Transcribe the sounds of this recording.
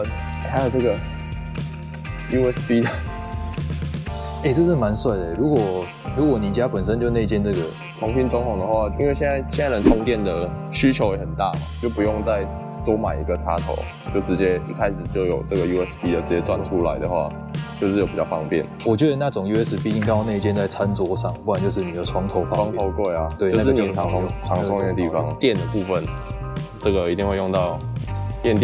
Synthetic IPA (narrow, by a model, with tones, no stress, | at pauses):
tʰa˧˥ɪjo˨˩ʊʈ͡ʂɤ˥˩ɡə˨ | ju˥ɛ˦˥spi˥d̪ə˨ | e˥˧ɪʈ͡ʂɤ˥˧ʂɻ̩˥˩ma˧˥nswa˥˩ɪd̪ə˩˨˦ɻu˧˥kwɔ˨˩ | ɻu˧˥kwɔ˨˩˦ni˨˩t͡ɕja˥pə˨˩nʂ̬ə˦nt͡ɕjo˥˧ʊne˥˧i˥t͡ɕjɛ˥˧nɤ˥˩ɡə˩ | t͡sʰʊ˧˥ŋpi˥nt͡sʊ˧˥ŋt̪ʊ˨˩ŋd̪ə˩˦xwa˥˧˩ḭ˥nwe˥˧ɕjɛ˥˧na˥˧ɪɕɛ˥˧a˥˩lə˨˥ntʰʊ˧˥ŋt̪jɛ˥˨˩nd̪ə˩ɕy˥t͡ɕʰjo˧ʊjɛ˧˥xə˨˩nt̪a˥˩ə̰˨˩t͡ɕjo˥˩ʊpu˧˦˥jʊ˥˧ŋt͡sa˥˧ɪ | t̪wɔ˥ma˨˩ɪḭ˧˥ɡə˨ʈ͡ʂʰa˥t̪ʰo̰˨˦ʊ | t͡ɕjo˥˩ʊʈ͡ʂɻ̩˧˥t͡ɕjɛ˦˥ḭ˥˩kʰa˥ɪʂɻ̩˨˩t͡ɕjo˥˩ʊjo˨˩ʊʈ͡ʂɤ˥˩ɡə˩ju˧ɛ˦˥spʰi˥d̪ə˨˩ʈ͡ʂɻ̩˧˥t͡ɕjɛ˥t͡swa˥˩nʈ͡ʂʰu˥la˧˦ɪd̪ə˨xwa̰˥˧ | t͡ɕjo˥˧ʂɻ̩˥˩jo˨˩pi˨˩t͡ɕɑ˥˧fɑ̰˥˧ŋpjɛ̰˥˩nwɔ˨˩t͡ɕɥwɛ˧˥d̪ə˩na˥˩ʈ͡ʂʊ˨˩ŋju˥ɛ˦˥spi˥i˥ŋka˥ɪjʊna˥˧i˥t͡ɕjɛ˥˧nt͡sa˥˩ɪt͡sʰa˦˥nt͡swɔ˧˥ʂɑ˥˩ŋpu˥˩wnt͡ɕjo˥˧ʂɻ̩˥˩ni˨˩d̪ə˦ʈ͡ʂʰwɑ˧˥ŋt̪ʰo˧˥ʊfɑ˥wŋt̪ʰo˧˦ʊkwe˥˩ɪɐ˩t̪we˥˨o˥ʊa˥ʂɻ̩˥ni˨˧˩ŋ˥ʈ͡ʂʰɑ˧˥ŋ˥ŋɛ˥˧ə˧t̪i˥˩fɑ˦ŋt̪jɛ˥˩nd̪ə˩pu˥˧fə˨˩n | ʈ͡ʂɤ˥˩ɡə˩i˧t̪i˥˧ŋwe˥˧jo˥˧ŋt̪ɑ˥˩ʊt̪jɛ˥˧nt̪jɛ˥